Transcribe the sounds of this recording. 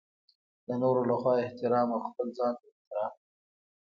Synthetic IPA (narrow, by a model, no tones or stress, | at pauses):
d̪̥ənoɾolaxwɑɪht̪ɪɾɑːmawxpəlzɑnt̪aɪht̪ɪɾɑm